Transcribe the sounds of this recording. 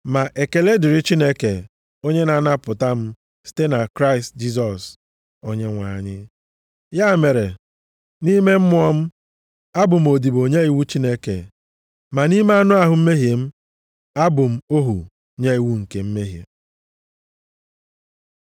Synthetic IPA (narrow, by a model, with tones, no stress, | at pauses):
ma˨ʔe˨ke˨le˦dɪ˨ɾɪ˦t͡ʃi˦ne˦ke˨ | o˦ɲe˦na˨na˦pʊ˨ta˦m̩˦ | si̥˦te˦na˨kɾa˦ɪ˨std͡ʒi˦s̬ɔ˨s | o˦ɲe˦ŋʷa̰˨ɲɪ˦ | ja˦˨me˨ɾe˨ | ni˦me˦m̩˦mʊ˦ɔ˦m̩˦ | a˦bʊ˨m̩˨o˨di˨bo˨ɲe˦i˨wu˦t͡ʃi˦ne˦kḛ˨ | ma˨ni˦me˦a˦nʊ˦a˦ɦʊ˨m̩˦me˦ɦje˨m̩˦ | a˦bʊ˨m̩˦o˦ɦu˨ | ɲe˦i˨wu˦ŋ̩˨ke˨m̩˦me˦ɦjḛ˨